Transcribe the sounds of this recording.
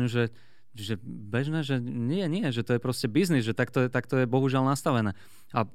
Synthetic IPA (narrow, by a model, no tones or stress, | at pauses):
ʒɛ | ʒɛbɛʒnɛːʒɛɲɪɛɲɪɛʒɛt̪ɔjɛpɾɔscɛbiznizʒɛt̪akt̪ɔjɛt̪akt̪ɔjɛbɔɦuʒɪalnast̪aʋɛnɛː | a